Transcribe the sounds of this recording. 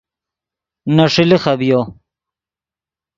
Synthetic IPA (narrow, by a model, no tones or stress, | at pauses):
nɐʂilixɐbijo